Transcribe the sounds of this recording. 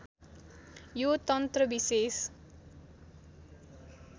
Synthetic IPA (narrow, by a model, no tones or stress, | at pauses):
jot̪ʌnt̪rʌbises